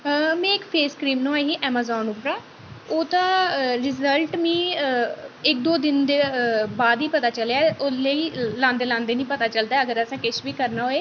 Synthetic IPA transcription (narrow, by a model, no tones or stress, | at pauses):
mɛ̃ːɪkpʰeːskɾiːmnõaːɦiːʔɛːmaːzɔːnuːpɾaː | oːt̪ãːɾɪzəlʈmĩː | ɪk̚d̪oːd̪ɪnd̪eːbaːd̪iːpət̪aːt͡ʃəleaːʔoleiːlãːnd̪eːlãːnd̪eːnĩːpət̪aːt͡ʃəld̪aːɛːəɡəɾəsãːkɪʃʋiːkəɾnaːɦoːeː